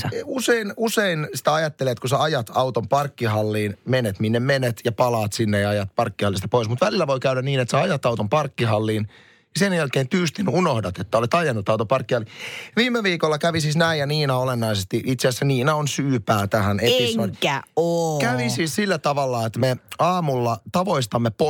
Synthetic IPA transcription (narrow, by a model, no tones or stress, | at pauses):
useinuseinsi̥t̪æɑjɑt̪ːeleːt̪kuseɑjɑt̪ɑwt̪ompɑrkːiɦɑlːiːnmenet̪minːemenet̪jɑpɑlɑːt̪sinːejɑɑjɑt̪̚pɑrkːihɑlːist̪ɑ̥poismut̪ʋælilːæʋojkæyɾæniːnet̪seɑjɑt̪ɑwt̪ompɑrkːiɦɑlːiːn | jɑsenjælkeːnp̪yst̪inunohdɑt̪et̪ːæolet̪ɑjɑnːut̪ːɑwt̪opɑrkːihɑliʋiːmːeʋiːkolːɑkæʋisisnæijjɑniːnɑolenːɑisest̪iʔit̪seæsːæniːnæonsyːpæːt̪æhænet̪iokæokæʋissiːssilːæt̪ɑʋɑlːɑet̪meɑːmulːɑt̪ɑʋoist̪ɑmːepo